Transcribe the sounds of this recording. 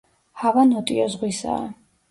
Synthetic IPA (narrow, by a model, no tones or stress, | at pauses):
havanɔt̪ʼiɔzʁwisa̰ː